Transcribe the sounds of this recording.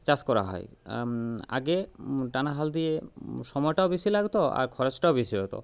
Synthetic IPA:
t͡ɕaskɔɾa̰ɦɔ̰j | a̰ɡeʈanaɦald̪ijeʃɔmɔjʈaobiʃilaɡt̪oa̰ɾkʰɔɾet͡ɕʈaobiʃiɔt̪o̰

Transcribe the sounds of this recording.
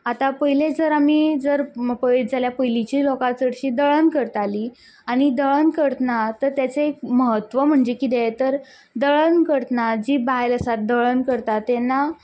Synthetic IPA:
at̪apəɦiled͡zəɾamid͡zəɾpəjd͡zaljapəjlit͡ɕiːlokat͡səɽɕiːd̪əɭənkəɾt̪aliː | aɽ̃id̪əɭənkəɾt̪nat̪əɾt̪jat͡seːkməɦət̪ʋəm̤əɳd͡zekid̪et̪əɾ | d̪əɭənkəɽt̪nad͡ʑiːbajləsat̪̚d̪əɭənkəɾt̪at̪ːɛnːa

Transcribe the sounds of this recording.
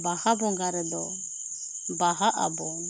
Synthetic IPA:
bahabɔŋɡaɾɛd̪ɔ | baɦaʔa̰bɔŋ

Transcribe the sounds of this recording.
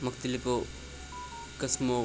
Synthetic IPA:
mɐk̚t̪iliko | kɐsmo

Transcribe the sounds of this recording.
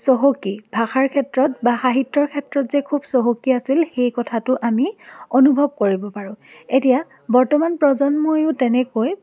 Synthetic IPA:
sɔɦokibʱaxaɹkʰɛtɹɔtbaxaɦitːɔɹkʰɛtɹɔtzɛkʰubsɔɦokiasilxejkɔtʰatʊʔamionubʱɔb̚koɹibɔpaɹʊ̃etija | bɔɹtɔmanpɹɔzɔnmojʊtɛnɛkoj

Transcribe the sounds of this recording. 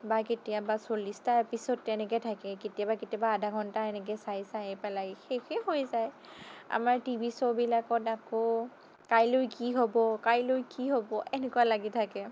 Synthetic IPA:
baketijabasolistaɹpisɔtɛnɛkɛtʰakɛketijabaketjabaːdʱaɡʱɔntaɛnɛk̬ɛsajsajpɛlajxexehojzaj | a̰maɹtibʱisɔbilakɔtakɔ | kajlojkiɦobɔkajlojkiɦobɔʔɛnekualaɡitʰakɛ

